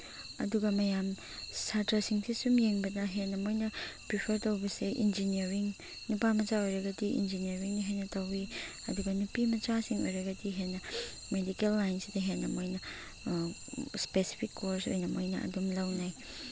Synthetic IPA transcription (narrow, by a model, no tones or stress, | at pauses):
ɐ̰duɡamɐjam | satɐsiŋsisumjeŋbɐdaɦenɐmojnɐpɾipʰəɾtawbɐseʔḭnd͡ʒiniɐɾiŋ | nupamɐt͡ʃaojɾɐɡadiʔḭnd͡ʒiniɐɾiŋnɐɦenɐtawiɐduɡɐnupimɐt͡ʃasiŋo̰jɾɐɡadiɦenːɐ | medikelːajnsidɐɦenɐmojnɐ | spesi̥pʰikʰːoɾso̰jnɐmojnɐʔɐ̰dumlawnaj